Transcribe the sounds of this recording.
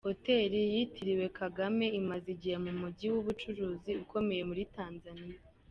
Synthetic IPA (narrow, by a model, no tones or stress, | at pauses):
ho̞te̞ːɾijitʰiɾiwe̞kʰaɡame̞imaziɟihe̞mumuɟiwuβut͡ʃuɾuːziuko̞me̞je̞muɾitaːnzanija